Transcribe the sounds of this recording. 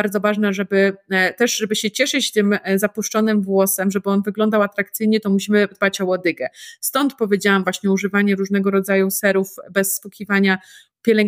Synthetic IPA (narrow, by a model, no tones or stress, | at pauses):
aɾd̪zɔvaʐnɛʐɛbɘt̪ɛʂʐɛbɘɕɛt͡ɕɛʂɘt͡ɕt̪ɘmzapuʂt͡ʂɔnɘmvwɔsɛmʐɛbɘɔnvɘɡlɔnd̪awat̪ɾakt̪sɘjɲɛt̪ɔmuɕimɘd̪bat͡ɕɔwɔd̪ɘɡɛst̪ɔnt̪pɔvʲjed͡ʑawamvwaɕɲɛuʐɘvaɲɛɾuʐnɛɡɔɾɔd̪zajusɛɾufbɛsːpukʲivaɲa | pʲjɛlɛŋ